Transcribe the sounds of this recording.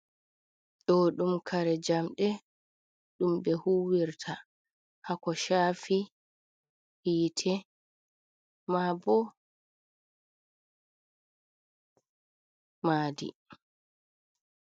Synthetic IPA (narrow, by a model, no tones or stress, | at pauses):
ɗɔɗumkʰaɾɛd͡ʒamɗɛ | ɗumɓɛhuːwiɾtʰa | hakɔʃaːfi | hiːtʰɛ | mabɔ | maːdḭ